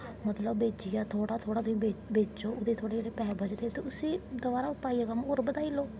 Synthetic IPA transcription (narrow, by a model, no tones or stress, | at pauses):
mət̪ləbːeːd͡ʒɪjaːt̪ʰoːɽaːt̪ʰoːɽaːd̪ʊĩːeːbeːd͡ʒoːʊd̪eːt̪ʰoːɽeːd͡ʒeːɽeːpɛːbʱəd͡ʒt̪eːt̪eʊsĩːd̪əʋaːɾaːʊpaːiːakəmoɾbəd̪aːiloː